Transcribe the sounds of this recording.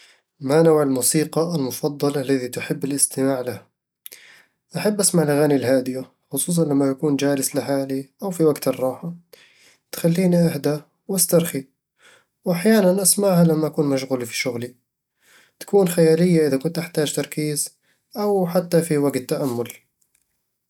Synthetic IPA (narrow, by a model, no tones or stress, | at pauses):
manawʕɪlmuːsiːqɑalmʊfɑd̪ˤːɑlalːaðit̪ʊħɪbːɪlʔɪst̪ɪmaːʕlɪh | ʔaħabːʔasmaʕɪlʔaɣaːnilɦaːd̪ɪja | xʊsˤuːs̬ˤɑnlamːajakuːnd͡ʒaːlɪslɪħaːliʔawfiwaɡt̪ɨrˤːɑːħa | t̪xalːiːniʔahd̪a | wʔast̪ɑɾˤxi | wʔaħjaːnanʔasmaʕhalamːaʔakuːnmaʃ̬ɣʊlifi̥ʃʊɣli | t̪ḁkuːnxajaːlɪjːaʔɪðakʊnt̪ʔaħt̪aːd͡ʒt̪ɑɾˤkiːz | ʔawħat̪ːafiwaɡt̪ːaʔamːʊl